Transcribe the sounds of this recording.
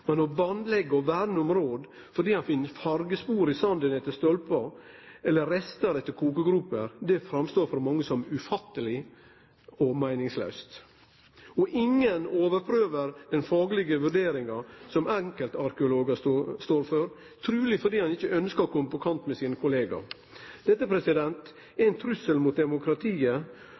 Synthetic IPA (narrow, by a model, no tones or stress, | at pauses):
mɛnɔʋɑnlɛɡːəɔʋæɖnəɔmɾoːd̪ | fɔɖ̪iːhɑnfɪnːəɾfɑɾɡəspuːɾɪsɑnd̪ənɛt̪ːəst̪ɔlpəɾɛlːəɾɛst̪əɾɛt̪ːəɾkʰuːkəɡɾʉːpəɾd̪ɛfɾɑmst̪oːɾfɔɾmɑŋːəsɔmʉfɑt̪ːəlɪ | ɔmæɪnɪŋslœ̰ʉst̪ | ɔʔɪŋːənoːʋəɾpʰɾøːʋəɾd̪ɛnfɑːɡəlɪɡəʋʉɾɖeːɾɪŋɑsɔmɛŋkəlt̪ɑɾkɛʊloːɡɑst̪oːɾføɾ | t̪ʰɾʉːlɪfɔɾd̪iːhɑnɪçːəʔœnskɑkʰɔməpɔkʰɑnt̪mɛsiːnəkʰʊleːɡɑ̰ | d̪̥ɛt̪ːəpʰɾɛsɪd̪ɛnt̪ | æɪnt̪ʰɾʉsəlmuːt̪̚d̪ɛmʊkɾɑt̪ʰiːə